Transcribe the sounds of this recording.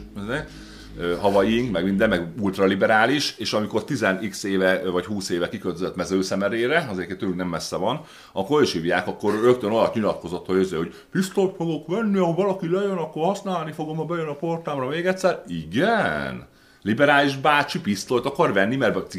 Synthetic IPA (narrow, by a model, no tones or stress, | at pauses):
ze | øɦɒvɒjiŋkmɛɡmind̪ɛnːɛɡult̪rɒlibɛɾaːliʃeːʃɒmiko̞rt̪izɛnikseːvɛvɒchuːseːvɛkikølt̪øzɛt̪mɛzøːsɛmɛɾeːɾɛɒzeket̪øːlyknɛmːɛsːɛvɒn | ɒkːoɾiʃhiːvjaːkɒkːo̞rrø̞k̚t̪ønoj̪ɒt̪ɲilɒt̪̚ko̞zo̞t̪hojøzehoɟ | pist̪olt̪fo̞ɡo̞kʋɛnːiɒɦovɒlɒkilɛjønɒkːorhɒsnaːlnifo̞ɡomɒbɛjønɒport̪aːmrɒmeːɡɛt̪sːɛriɡɛn | libɛɾaːliʒbaːt͡ʃipist̪olt̪ɒkɒrvɛnːimɛrb̪i